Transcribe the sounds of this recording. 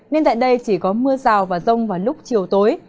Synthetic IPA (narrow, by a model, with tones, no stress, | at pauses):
ne˧nt̪a̰ː˧˨jɗə˧jt͡ɕi˧˩kɔ˨˦mɨ˧əzaː˨˩wvaː˨˩zə˧wŋ͡mvaː˨˩lʊ˦˥k͡p̚t͡ɕi˨˩əwt̪oː˨˦j